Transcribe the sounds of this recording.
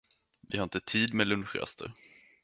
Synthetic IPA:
vɪhaɾɪnt̪ət̪ʰiːd̪mɛlɵnɧɾɛ̰st̪ʰə̰ɾ

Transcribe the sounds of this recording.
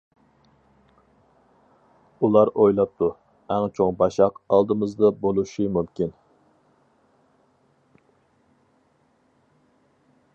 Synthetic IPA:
ulˠɑɾojlˠɑp̚t̪ʰu | æŋt͡ʃʰoŋbɑʃɑqɑlˠd̪ɨmɨzd̪ɑbolˠuʃimumkʲʰin

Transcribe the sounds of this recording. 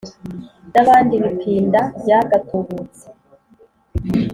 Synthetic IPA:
naβaːndiβipʰiːndajaɡatʰuβut͡se̥

